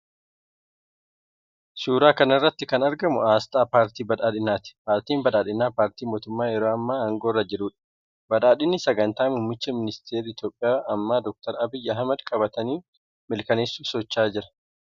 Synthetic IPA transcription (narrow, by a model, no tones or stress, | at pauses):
suːɾaːkɐnɪrːɐt̪ːɪkɐnɐɾɡɐmʊaːst̪ʼaːpaːɾt̪iːbɐᶑaːᶑɪnːaːt̪ɪ̥paːɾt̪iːmbɐᶑaːᶑɪnːaːpaːɾt̪iːmo̞ːt̪ʊmːaːjɛɾoːɐmːaːaːŋɡo̞ːrːɐd͡ʒɪɾuːᶑɐ̥ | bɐᶑaːᶑɪnːɪsɐɡɐnt̪aːmuːmːɪt͡ʃːɐmɪnɪst̪ʰeːɾiːɪt̪jo̞ːpʼːɪjaːʔɐmːaːd̪ɔk̚t̪ɐɾɐbɪjːɐɦɐmɐd̪kʼɐbɐt̪ɐniː | mɪlkɐneːsːuːsɔt͡ʃːaːd͡ʒɪɾɐ̥